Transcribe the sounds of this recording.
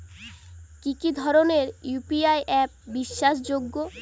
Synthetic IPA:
kikid̪ʱɔɾoneɾjupiajʔɛp̚biʃːaʃ̬d͡ʑoɡːo

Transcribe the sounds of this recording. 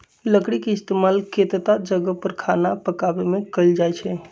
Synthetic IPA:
ləkɽikeist̪emalkʰet̪t̪ad͡ʒəɡəpəɾkʰanapəkabemekəld͡ʒajt͡ʃʰɛ

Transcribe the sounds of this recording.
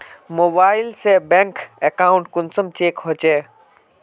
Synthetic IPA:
moːbaːɪlsebɛ̃ːŋkekaːʊ̃ɳʈkʊnsəmt͡ɕeːkɦot͡ɕeː

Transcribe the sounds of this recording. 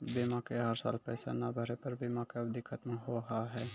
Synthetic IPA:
biːmakeɦəɾsa̰ːlpɛːsa̰nabʱəɾepəɾbʱiːmakeɐbd̪ɪkʰːət̪mɦoɦaɦɛː

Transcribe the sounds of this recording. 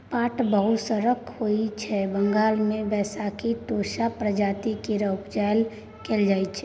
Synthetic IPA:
paːʈbəɦʊt̪səɾəkhoit͡ʃʰɛbə̃ŋɡaːlmẽʋɛːsakiʈoːʃapɾəd͡ʒaːt̪ikiɾəpd͡ʒajl | keld͡ʒaːit͡ʃʰɛ

